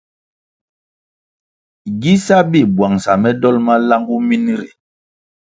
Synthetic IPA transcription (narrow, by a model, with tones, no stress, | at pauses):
ɡi˦sa˦bi˦˨bwa˨ŋsa˨mɛ˦dɔ˦lma˦la˦ŋɡu˦mi˦ni˦ɾḛ˨